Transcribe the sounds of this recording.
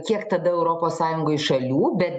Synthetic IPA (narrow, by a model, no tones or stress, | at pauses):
kʲiɛkt̪ɐd̪ɐɛʊɾoːpoːssɑːjʊŋɡoːɪɪʃɐlʲuːbʲɛt̪